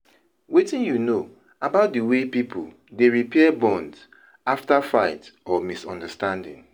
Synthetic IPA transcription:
wetĩnjuno | abaʊt̚dəwepipʰo̰l | deɹipɛɛbɔ̃nds | aftafaɪtɔmisɔ̰̃ndəstãndɪ̰̃ŋ

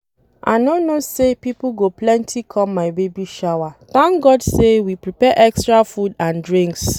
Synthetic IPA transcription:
ʔa̰ɪnonosepiplɡoplɛ̃ntʰikʰɔ̃mːaɪbebiʃawat̪ãŋkɡɔdsewipɹipɛʔɛkstɹafudãndɹĩŋks

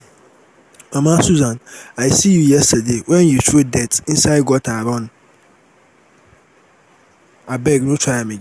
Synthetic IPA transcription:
ɛmãsuzãnajsijujɛstadewɛ̃njutʰuodɛtɪ̃n̩saɪɡɔtʰaɾɔ̃n | abɛɡnʊ̃tʰaamɪ̃d͡ʒ

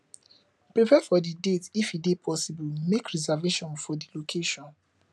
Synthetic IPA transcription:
pɹipʰɛfɔdidetifidepʰɔsibulmekɹizaveʃɔ̃nfɔdilokʰeʃɔ̃n

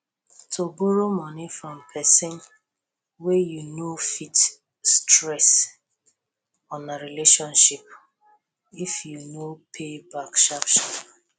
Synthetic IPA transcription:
tʰoboɾomɔnifɹɔ̃mpʰɛsɪ̃n | wejunofit | stɾɛs | ɔ̃naɾileʃɔ̃nʃip | ifjunopʰebakʃapʃɔ

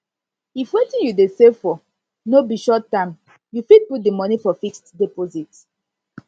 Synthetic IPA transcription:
ifwetĩnjudesefɔ | nobiʃɔtːãm | jufid̚put̚dəmɔnifɔfikstdepozit

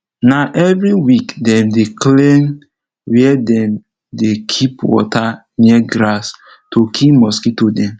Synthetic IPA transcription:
naʔɛvɾiwikdɛ̃mdeklen | wiɛdɛ̃m | dekʰipwɔ̰ta | niɛɡɾas | tokʰimɔskitodɛ̃m

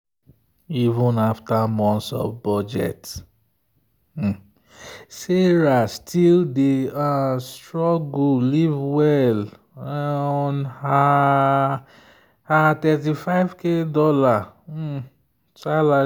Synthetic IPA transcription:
ivũnaftamɔ̃ntsɔ̰vbɔd͡ʒɛ̰t | seɹastʰildeastɹɔɡulivwɛl | ɔna | hatɛt̬ifaɪvkedɔla | sala

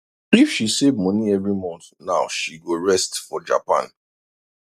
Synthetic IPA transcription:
ifʃisevmɔ̃niɛvɹimɔ̃nθnaʊʃiɡoɹɛstfɔd͡ʒa̰pã̰n

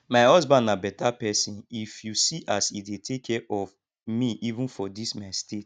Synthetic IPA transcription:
maɪhɔzbãndabɛtapɛsĩnifjusiʔasidetʰekʰːɛʔɔv | miʔivũnfɔdismastet

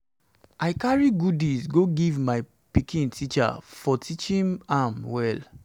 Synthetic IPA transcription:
ʔaɪkaɹiɡudisɡoɡivmaɪ | pikʰĩntʰit͡ʃa̰fɔtʰit͡ʃĩnamwɛl

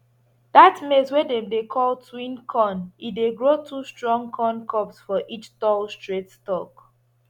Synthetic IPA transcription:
datmeswedẽmdekʰɔltʰwĩnkʰɔ̃nideɡɹotʰustɹɔ̃ŋkʰɔ̃nkʰɔpsfɔʔit͡ʃtɔlstɹetstɔk

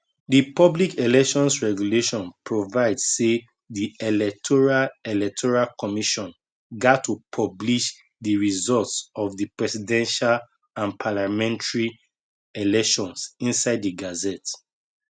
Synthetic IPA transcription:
dipɔblikelɛkʃɔ̃nsɹɛɡjuleʃɔ̃npʰɹovaɪdse | dielɛk̚tʰɔɹalelɛk̚tʰɔɹalkɔmiʃɔ̃n | ɡatʰupʰɔbliʃ | diɹizɔltsɔvdipɹɛsidɛ̃nʃal | ãnpʰalamɛ̃ntʰɹi | elɛkʃɔ̃nsĩnsaɪddiɡazɛt

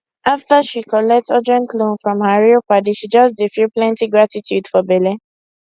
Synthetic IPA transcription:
aftəʃikɔlɛk̚tɔd͡ʒɹɛ̃ntlõnfɹɔ̃mhaɹipadiʃid͡ʒʌsdifiplɛ̃ntiɡɹatitʰjudfɔbɛle

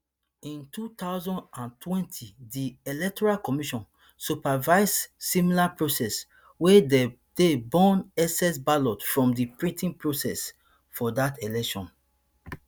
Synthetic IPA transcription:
ĩntutaʊzɔ̃ndãntʰwɛ̃ntʰidielɛk̚tɔɹalkɔmiʃɔ̃n | supavaɪzsimilapɹosɛs | wede | d̥ebɔ̃nɛsɛsbalɔtfɹɔ̃mdipɹĩtĩŋpɹosɛ̰s | fɔdatelɛkʃɔ̃n

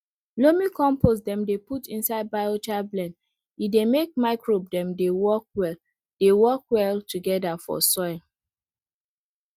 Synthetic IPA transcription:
lomikɔ̃mpos̬dɛ̃mdeputĩnsaɪd̚baɪot͡ʃablɛ̃n | idemek̚maɪkɹob̚dɛ̃mdewɔk̚wɛl | d̥ewɔkwɛltuɡɛdafɔ̰sɔl

